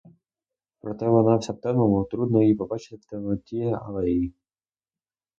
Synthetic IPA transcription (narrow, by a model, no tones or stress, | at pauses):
pɾɔt̪ɛʋɔnɑwsʲapt̪ɛmɐmɔt̪ɾud̪nɔipɔbɑt͡ʃɪ̥t̪ɪt̪ɛmɔt̪ʲiɛɐ̰lˠɛii